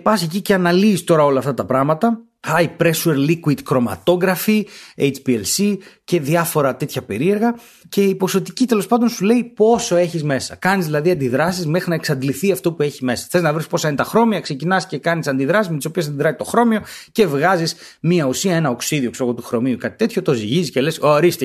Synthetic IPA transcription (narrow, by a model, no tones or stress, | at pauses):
pɐsçeciceɐnɐliːst̪o̞ɾɐo̞lɐːft̪ɐt̪ɐpɾɐɣmɐt̪ɐ | ɐjpɾesueɾlikwid̪kɾo̞mɐ̰t̪o̞ɣɾɐfiejt͡ʃpielsice̞ðiɐfo̞ɾɐt̪e̞t̪çɐpe̞̰ɾie̞ɾɣɐ | ce̞ipo̞so̞t̪icit̪e̞lo̞spɐnd̪onsule̞ipo̞so̞e̞çizme̞sɐkɐnizðilɐðiɐnd̪iðɾɐsizme̞xɾinɐeksɐd̪liθiɐft̪o̞pue̞çime̞sɐ̥θe̞znɐvɾispo̞sɐinet̪ɐxɾo̞miɐkse̞cinɐsce̞kɐnisɐnd̪iðɾɐsizmet̪iso̞pies̬ɐnd̪iðɾɐzit̪o̞xɾo̞mio̞ce̞vɣɐzis | miɐusiɐe̞nɐoksiðio̞ksoɣot̪uxɾo̞miukɐt̪i̥t̪e̞t̪ço̞t̪o̞ziʝiziscelesoɾist̪e